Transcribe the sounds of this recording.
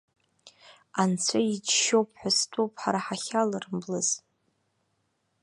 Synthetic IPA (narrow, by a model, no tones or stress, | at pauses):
ant͡sʷʰaid͡ʒʃowpʰħʷastʷʼowpʰʼħaɾaħaχʲalɨrmblɨz